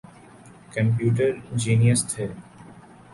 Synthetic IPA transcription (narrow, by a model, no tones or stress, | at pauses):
kə̃mp̬juːʈ̬əɾɪ̃d͡ʒiːnijəst̪ʰeː